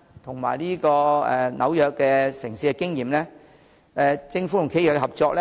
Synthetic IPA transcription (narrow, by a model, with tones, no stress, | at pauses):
t̪ʰʊ˨˩ŋma̰ː˨jliː˥kɔː˧ɛ̰˨˧nɐ̰˨˧wjœː˨kkːɛː˧sɪ˨˩ŋsiː˧kɛ˧kɪ˥ŋjiː˨˩mlɛː˥ | ɛ˨t͡sɪ˧ŋfu˨˥ʊ˨˩ŋkʰe˥jœː˨˩kɛhɐ˨p̚t͡sɔː˧k̚lɛ˥